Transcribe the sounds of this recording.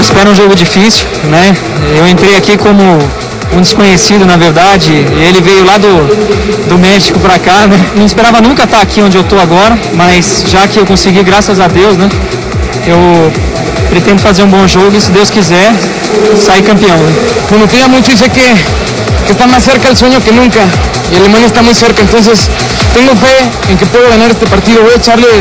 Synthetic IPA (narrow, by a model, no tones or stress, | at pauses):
ɪspɛɾʊũʒoɡʊd͡ʒifisiuʊ | nɛ | ewẽnt̪ɾejakikõmʊ | ũd͡ʒ̪ɪskõɲesid̪ʊnɐveɾd̪ad͡ʒɪelɪvejʊlad̪ʊ | d̪ʊmɛʃi̥kʊpɾakanɛnɐ̃w̃ispeɾavɐnũkɐt̪aakiõnd͡ʒɪewt̪oaɡɔɾɐ | mɐzʒakɪewkõsɪɡiɡɾasɐzɐd̪ewznɛ | ew | pɾet̪ẽnd̪ʊfazeɾũbõʒoɣʊɪsɪd̪ewskizɛɾ | saiɾkɐ̃mpiɐ̃w̃nɛbõnʊt̪ẽɐmũjt̪ʊis̬ekɪ | kɪest̪amajseɾkɐelsõɲʊkɪnũŋkɐ | ialemɐ̃niest̪amũjseɾkɐẽnt̪õns̬es | t̪ẽŋɡʊfe | ẽŋkɪpoðʊɣãɲaɾest̪epaɾt̪iðʊvojet͡ʃaɾlɪ